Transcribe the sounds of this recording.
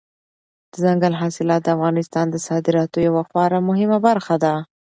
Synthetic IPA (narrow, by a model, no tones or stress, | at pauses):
d̪̥əzaŋɡalɦɑsɪlɑt̪̚d̪əafɣɑnɪst̪ɑnd̪əsɑd̪ɪɾɑt̪ojawaxwɑɾamʊɦɪmabaɾxad̪a